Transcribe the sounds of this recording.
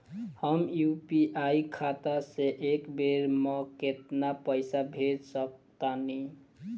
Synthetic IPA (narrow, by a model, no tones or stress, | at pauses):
həmjupiʔajkʰat̪aseʔekbeɾmʌket̪napəɪsabʱedsʌk̚t̪ani